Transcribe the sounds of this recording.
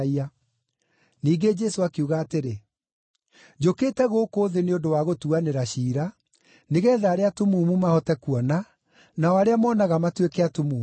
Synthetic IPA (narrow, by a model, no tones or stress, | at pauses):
ia | niːɡed͡ʒɛsoakeuɣaːteɾe | d͡ʑoketɛɣoːkoːðeneodowaɣotuaneɾaɕiːɾa | neɣɛːðaːɾeatumuːmumahɔtɛkuɔna | naɔaɾeamɔːnaɣamatwekɛatumuː